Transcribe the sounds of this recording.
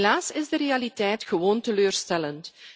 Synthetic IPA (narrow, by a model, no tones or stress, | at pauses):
laːsɪzdəɾeːalitɛjtxəʋoːntəløːrstɛlənt